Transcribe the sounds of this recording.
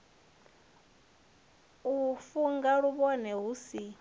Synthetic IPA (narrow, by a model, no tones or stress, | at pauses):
ufuŋɡaɺuβɔnɛɦusi